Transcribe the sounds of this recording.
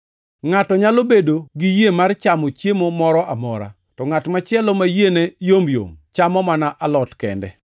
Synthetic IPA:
ŋatɔɲalobedoɡijemart͡ʃamɔt͡ʃjemomɔɾɔʔamɔɾa̰ | tɔŋatmat͡ʃɪɛlɔmajenejomjo̰mt͡ʃamɔmanaʔalɔtkɛ̰ndɛ̰

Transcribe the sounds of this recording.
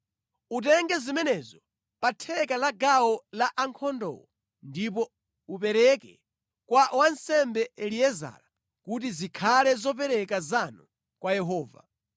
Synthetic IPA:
ut̬ɛŋɡɛzimɛnɛzɔ | patʰɛkalaɡawɔlaʔaŋkʰɔndɔ̰ːwɔ | ndip̬ɔ | upɛɾɛkɛ | kwawansɛmbɛɛliɛza̰ɾa | kut̬izikʰalɛzɔp̬ɛɾɛkazanu | kwajɛɦɔːva̰

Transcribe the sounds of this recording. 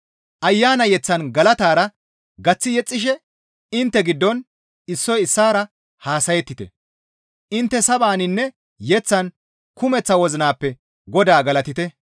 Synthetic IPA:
ʔɐjːaːnɐjɛt͡sːɐnɡɐlɐt̪aːɾɐ | ɡɐt͡sːɪjɛt͡sʼːɪʃ̬ɛ | ɪnt̪ːɛɡɪd̪ːɔn | ɪsːɔjɪsːaːɾɐ | haːsɐjɛt̪ːɪt̪ɛ̰ | ʔɪnt̪ːɛsɐbaːnɪnːɛ | jɛt͡sːɐn | kʊmɛt͡sːɐwɔzɪnaːpːɛ | ɡɔd̪aːɡɐlɐt̪ɪt̪ɛ

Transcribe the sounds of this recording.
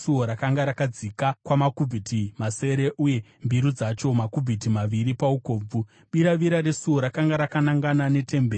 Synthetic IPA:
suoɾakaŋɡaɾakad͡zikakwamakub͡vʱitimase̞ɾe̞ʔuje̞mbiɾud͡zat͡ʃo̞makub͡vʱitimaʋiɾipauko̞ːb͡vu | ɓiɾaʋiɾaɾe̞suo̞ɾakaŋɡaɾakanaŋɡanane̞te̞mbeːr

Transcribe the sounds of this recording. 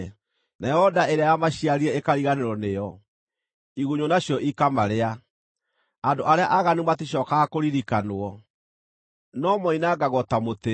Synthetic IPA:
naɛhɔdaeɾeajamaɕiaɾiɛekaɾiɣaneɾɔnejɔ | iɣoɲonaɕjɔʔikamaɾea | andoʔaɾeaʔaɣanematiɕ̬ɔːkaɣakoɾiɾikanoɔ | nɔmɔinaɡaɣɔtamote

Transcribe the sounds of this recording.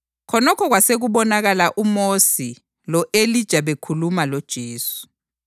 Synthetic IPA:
kʰɔnɔkʰɔɣwaseɣuβɔnaɣalaʔumosi | lɔʔelid̥ʒ̥ʱaβekʰulumalɔd̥ʒ̥ʱeːsu̥

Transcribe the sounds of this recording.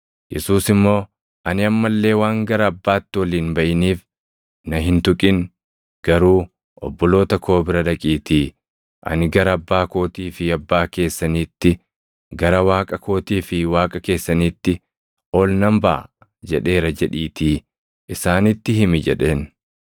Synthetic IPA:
jɛ̰suːsɪmːo̞ː | ʔɐnɪɐmːɐlːe̞ːwaːŋɡɐɾɐːbːaːt̪ːɪwɐliːnbɐʔɪniːf | nɐɦɪnt̪ʊkʼɪn | ɡ̥ɐɾuː | ʔɔ̰bːɔlo̞ːt̪ɐkʰo̞ːbɪɾɐᶑɐkʼiːt̪iː | ʔɐ̰nɪɡɐɾɐɐbːaːko̞ːt̪iːfɪɐbːaːke̞ːsːɐniːt̪ːɪ | ɡɐɾɐwaːkʼɐkʰo̞ːt̪iːfɪwaːkʼɐke̞ːsːɐniːt̪ːɪ | oːlnɐmbɐ | d͡ʒɛᶑe̞ːɾɐd͡ʒɛᶑiːt̪iː | ʔɪsaːnɪt̪ːɪɦɪmɪd͡ʒɛ̰ᶑe̞ːn

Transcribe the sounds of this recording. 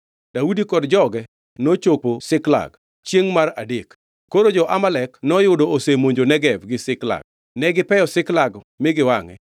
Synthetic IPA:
d̥audikɔdd͡ʒɔɡɛ | not͡ʃoposɪkla̰ɡ | t͡ʃjeŋmaɾa̰dek | kːoɾod͡ʒɔʔamalɛknɔjʊdoosemoɲd͡ʒonɛɡɛvɡɪsɪkla̰ɡ̥̚ | nɛɡɪpɛjɔsɪklaɡ | mɪɡɪwaŋɛ̰

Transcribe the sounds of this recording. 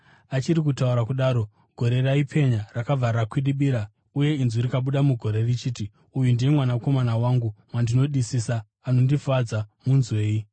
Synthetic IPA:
at͡ʃiɾikutauɾakuɗaːɾo̞ | ɡ̥ʱo̞ɾe̞raipʰe̞ɲarakab͡varakwiɗiɓiɾa | uje̞inzurikaɓuɗamuɡʱo̞ɾe̞rit͡ʃiːti | ujundijemwanako̞manawaŋɡumwandino̞ɗisisaː | no̞ndifad͡zamunzwe̞ːi

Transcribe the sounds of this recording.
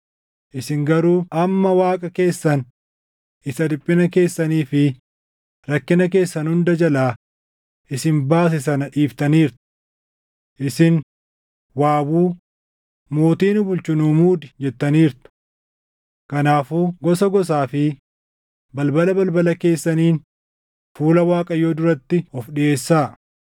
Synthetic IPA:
ʔɪsɪŋɡɐɾuːʔɐmːɐwaːkʼɐke̞ːsːɐn | ʔɪsɐd̪ɪpʼːɪnɐke̞ːsːɐniːfɪ | ɾɐkːɪnɐk̬e̞ːsːɐnhʊnd̪ɐd͡ʒɐlaː | ʔɪsɪnbaːs̬ɪs̬ɐnɐᶑiːft̪ɐniːɾt̪ʊ̥ | ʔɪsɪn | waːbuː | mo̞ːt̪iːnʊbʊlt͡ʃʊnuːmuːd̪ɪd͡ʒɛt̪ːɐniːɾt̪ʊ̥ | kɐnaːfuːɡɔsɐɡɔs̬aːfɪ | bɐlbɐlɐbɐlbɐlɐke̞ːsːɐniːn | fuːlɐwaːkʼɐjoːd̪ʊɾɐt̪ːɪɔfɗɪʔe̞ːsːaː

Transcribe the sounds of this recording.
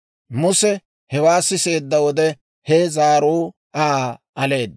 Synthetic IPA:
mʊsɛ | hɛwaːsːɪse̞ːd̪ːɐwɔd̪ɛ | hɛzaːɾuː | ʔaʔɐle̞ːd̪̚

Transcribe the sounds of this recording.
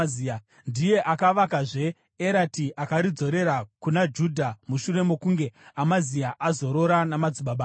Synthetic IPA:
i | ndije̞ʔakaʋakaʐe̞ː | ɾatiʔakaɾid͡zo̞ɾe̞ɾakunad͡ʒudʱamuʃure̞mo̞kuŋɡe̞amaziaʔazo̞ɾo̞ɾanamad͡ziɓaɓaː

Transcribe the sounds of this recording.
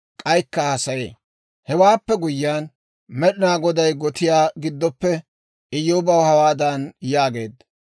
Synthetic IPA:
kʼɐjkːɐhɐsɐjḛː | hɛwaːpːɛɡʊjːɪaːn | mɛɗɪnaːɡɔd̪ɐjɡɔt̪ɪjaːɡɪd̪ːɔpːɛ | ʔɪjːoːbɐwhɐwaːd̪ɐnjaːɡe̞̰ːd̪ɐ

